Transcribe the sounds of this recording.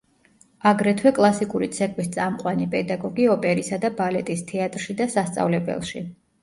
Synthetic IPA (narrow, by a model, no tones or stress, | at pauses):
aɡɾɛt̪ʰwɛkʼlˠasikʼuɾḭt̪sʰɛkʼwist̪sʼamqʼwanipʼɛd̪aɡɔɡiɔpʼɛɾisad̪abalɛt̪ʼist̪ʰɛat̪ʼɾʃid̪asast̪sʼa̰vlɛbɛ̰lˠʃḭ